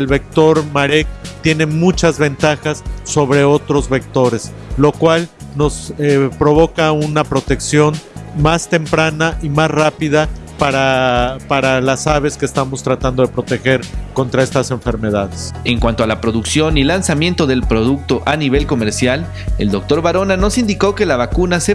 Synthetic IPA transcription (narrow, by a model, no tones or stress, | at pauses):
elβe̞k̚t̪o̞ɾmaɾek̚t̪je̞ne̞mut͡ʃazβe̞nt̪axasːo̞βɾe̞o̞t̪ɾo̞zβek̚t̪o̞ɾe̞s | lo̞kwalno̞sepɾo̞β̞o̞kaunapɾo̞t̪e̞ksjo̞nmast̪e̞mpɾanaʔimasrapiðapaɾapaɾalasaβe̞skeːst̪amo̞st̪ɾat̪and̪o̞ðe̞pɾo̞t̪e̞xe̞ɾko̞nt̪ɾae̞st̪ase̞ɱfe̞ɾme̞ðaðese̞ŋkwant̪oalapɾo̞ðuksjo̞nilansamje̞nt̪o̞ðe̞lpɾo̞ðuk̚t̪o̞ʔaniβe̞lko̞meɾsjal | ḛld̪o̞k̚t̪o̞ɾβaɾo̞nano̞sind̪iko̞ke̞laβakunase